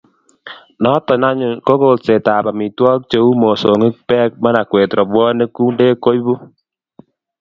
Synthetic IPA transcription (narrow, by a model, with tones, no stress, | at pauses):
nɔ˦tɔ˨na˦ɲʊ˨nko˦ko˨lse˨ta˨ba˨mi˨twɔ˦k̚t͡ʃe˦u˦mo˨so˨ŋi˦k̚pɛː˦k̚ma˦na˨kwe˨tɾɔ˨bwɔː˦ne˦ku˦nde˦ko˦jbu˦